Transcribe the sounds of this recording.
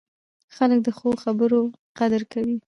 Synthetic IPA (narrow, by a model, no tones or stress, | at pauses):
xalək̚d̪əxoxabəɾo | qad̪əɾkawi